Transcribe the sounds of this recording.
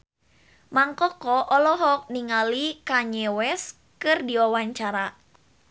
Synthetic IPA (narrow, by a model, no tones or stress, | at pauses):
maŋkɔkɔʔɔlɔɦɔk̚niŋalikaɲɛwɛs | kɨrdiawaɲt͡ʃaɾa